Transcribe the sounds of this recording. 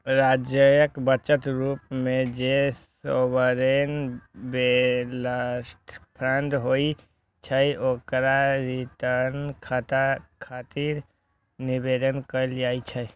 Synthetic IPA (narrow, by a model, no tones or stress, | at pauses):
ɾad͡ʒjəjəkbət͡ʃət̪ɾuːpmẽd͡ʒesobəɾenbelasʈʰpʰɾãnd̪ɦoi | t͡ʃʰəiokɾaɾit̪ənkʰat̪akʰat̪iɾ | nibed̪ənkəld͡ʒaːit͡ʃʰəj